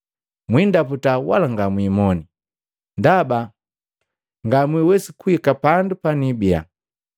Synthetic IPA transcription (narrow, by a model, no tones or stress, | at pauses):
mwindaputawa̰laŋɡamwimɔni | ndaba | ŋɡamwiwɛsikuikapandupanibia̰